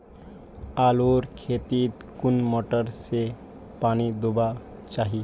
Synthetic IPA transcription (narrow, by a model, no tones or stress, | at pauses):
aːloːɾkʰeːt̪it̪kʊnmoʈəɾse | paːnid̪uba | t͡ʃaːɦi